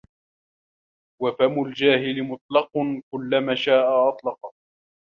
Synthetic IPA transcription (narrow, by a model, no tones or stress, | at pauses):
wafamʊld͡ʒaːɦɪlɪmʊt̪ˤlɑqkʊlːamaːʃaːʔaʔɑt̪ˤlɑqɑ